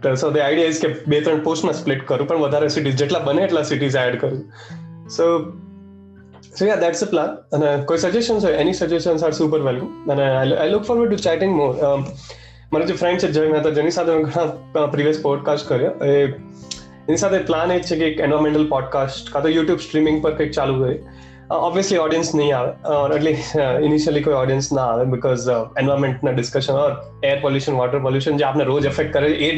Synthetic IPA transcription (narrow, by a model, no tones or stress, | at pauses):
t̪əsod̪iaɪɖijaɪzkiebet̪ɾə̃ɳʈ̚poːsʈmãsplɪʈkəɾũpəɳʋəd̪ʱaɾesiʈ̬iːzd͡ʒɛʈlabəneeʈlasiʈiːzæɖkəɾu | so | sojad̪æʈsəplãnə̃nkoːisəd͡ʒesʈə̃nsoenisəd͡ʒuesənsaʈsuːp̬əɾʋɛlkə̃mə̃najʔajlʊkfɔːɾʋəɖ̚ʈut͡ʃæʈɪ̃ŋɡmoːɾ | məɾad͡ʑefɾɛ̃ɳʈt͡ʃed͡ʒəjmɛ̃t̪ad͡ʒenisat̪ʰeʋẽŋkɽãpɾiːʋijəspɔːɖ̚kaːsʈkɐɾioe | ɪnisaːt̪ʰeplaːneːt̪t͡ʃʰekieːkẽnʋaːɾmẽɳʈəlpɔːɖ̚kaːsʈkat̪ojuːʈjuːbsʈɾiːmɪ̃ŋɡ̚pɐɾkɐk̚t͡ʃaːlukɐɾi | ɔːbʋiəsliɔːɖijə̃nsnɐɦĩaːʋeːɔːɾɐʈliːsɪniʃəlikoːiɔːɖijə̃nsnɐaːʋeːbɪkɔːzẽnʋaːɾmẽɳʈnaɖɪskɐʃə̃nɔːɾ | eːəɾpoljuːʃə̃nʋɔːʈəɾpoljuːʃə̃nd͡ʒoaːpneɾoːd͡ʒɛfɛk̚ʈ̚kɐɾeʔeː